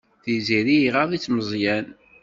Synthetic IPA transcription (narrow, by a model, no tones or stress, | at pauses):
θiziɾiʁɑðˤit͡sːməzˤjæn